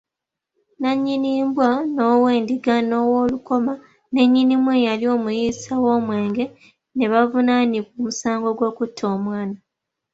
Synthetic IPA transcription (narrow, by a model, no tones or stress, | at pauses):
naɲːiniːmbwano̞ːwe̞ːndiɡano̞ːwoːluko̞ma | ne̞ɲːinimwejalio̞ːmujiːsawo̞ːmwe̞ːŋɡe̞ | ne̞βavunanikoːmusaːŋɡo̞ɡwo̞ːkutʰːo̞ːmwaːna